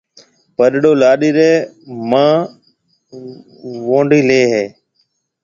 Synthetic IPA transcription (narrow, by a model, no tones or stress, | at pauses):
pəɗɗoːlaːɗiːɾeːmãː | ʋõːɳɖiːleːɦeː